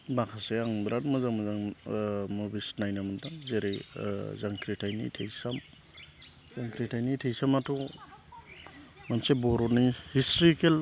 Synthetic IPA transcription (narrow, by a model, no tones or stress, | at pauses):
bakʰaseaŋbɾatmɔzaŋmazaŋ | mɔbisnajnamantaŋzeɾezaŋkʰɾitʰajnitʰejsam | zaŋkɾitʰajnitʰejsamatʰu | mansebɔɾɔnihistɾikʰel